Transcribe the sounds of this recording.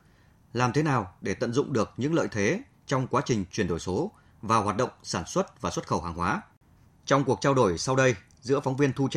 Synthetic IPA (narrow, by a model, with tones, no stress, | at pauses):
laː˨˩mt̪ʰe˨˦naː˨˩wɗe˧˩t̪ə̰˧˨nzʊ̰˧˨ŋ͡mɗɨ˨˩ək̚ɲɨ̰˧˥ŋlə̰ː˧˨jt̪ʰe˨˦ | t͡ɕɔ˧wŋ͡mkwaː˨˦t͡ɕï˨˩ŋ̟t͡ɕwi˧˩ənɗo˧˩jso˨˦ | vaː˨˩whwaː˨˩t̚ɗə̰˧˨ŋ͡msaː˧˩nswə˦˥t̚vaː˨˩swə˦˥t̚xə˧˩whɦaː˨˩ŋɦwaː˨˦ | t͡ɕɔ˧wŋ͡mku˨˩ək̚t͡ɕaː˧wɗo˧˩jsa˧wɗə˧j | zɨ̰˧˥əfɔ˨˦ŋ͡mvi˧ənt̪ʰu˧t͡ɕ